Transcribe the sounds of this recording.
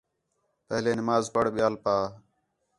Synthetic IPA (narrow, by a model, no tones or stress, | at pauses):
pəɦleːnɪmaːzpəɽɓɪjaːlpaː